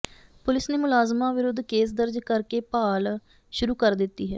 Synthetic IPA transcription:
pʊlɪsneːmʊlaːzmãːʋɪɾʊd̪ːkeːsd̪əɾd͡ʒkəɾkeːpaːl | ʃʊɾuːkəɾd̪ɪt̪ːiːɦɛː

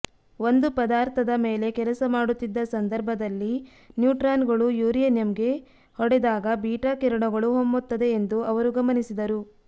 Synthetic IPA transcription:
o̞nd̪upɐd̪aːɾt̪ʰɐd̪ɐme̞ːle̞kɛlɐsɐmaːɽut̪ːid̪ːɐsɐnd̪ɐɾbʱɐd̪ɐlːi | njuːʈɾaːnɡɐɭujuːɾijɐnjɐmɡe̞ | hɔɽɛd̪aːɡɐbiːʈakiɾɐɳɐɡɐɭuɦomːut̪ːɐd̪e̞ːnd̪uɐʋɐɾuɡɐmɐnisid̪ɐɾu

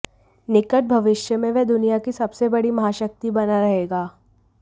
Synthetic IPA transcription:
nɪkəʈ̚bʱɐʋɪʃjəmẽʋɛɦd̪ʊnijakisɐbsebɐɽimɐɦaːʃək̚t̪ibɐnaɾɐɦeːɡaː

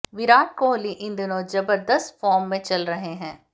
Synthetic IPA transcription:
ʋɪɾaːʈ̚koːliʔɪ̃nd̪nozɐbəɾd̪əst̪fɔːɾmːẽt͡ʃɐlɾɐɦeɦɛ̃ː

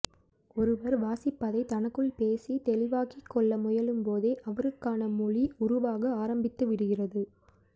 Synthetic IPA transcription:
ɔɾɯʋɐɾʋaːsɪpːɐðɐɪt̪ɐnɐkːɯɭpeːsit̪ɛlɪʋaːkɪkːɔɭːɐmʊjɐlɯmpoːðeːʔɐʋɐɾɯkːaːnɐmʊɭiʊɾʊʋaːɣɐaːɾɐmbɪt̪ːɯʋɪɽɯɣɪrɐðɯ

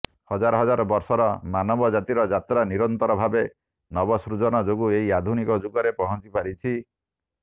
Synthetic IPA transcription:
hɔd͡ʒaɾɔɦɔd͡ʒaɾɔbɔɾsɔɾɔmanɔbɔd͡ʒat̪iɾɔd͡ʒat̪ɾaniɾɔnt̪ɔɾɔbʱabe | nɔbɔsɾud͡ʒɔnɔd͡ʒoɡueɦiad̪ʱunikɔd͡ʒuɡɔɾepɔɦɔt͡ʃipaɾit͡ʃʰi

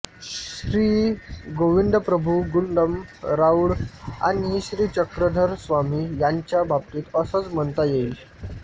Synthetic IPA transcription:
ɕɾiːɡoʋind̪əpɾəbʱuɡuɳɖəmɾauɽa̰niɦiɕɾiːt͡ɕəkɾəd̪ʱəɾsʋamiːjaɲt͡ɕjabab̚t̪iːt̪əsət͡smənt̪ajeil

